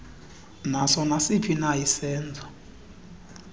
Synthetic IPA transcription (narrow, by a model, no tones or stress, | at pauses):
nasɔnasipʰinajisɛːnd͡zʱa